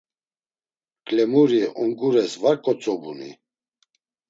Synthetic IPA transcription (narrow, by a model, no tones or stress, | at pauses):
kʼlɛmuɾiɔŋɡuɾɛsvaɾkʼɔt͡sʼɔbunḭ